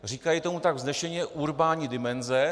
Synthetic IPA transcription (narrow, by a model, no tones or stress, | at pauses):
r̝iːkajit̪o̞mut̪aɡvznɛʃɛɲɛʔuɾbaːɲidɪmɛnzɛ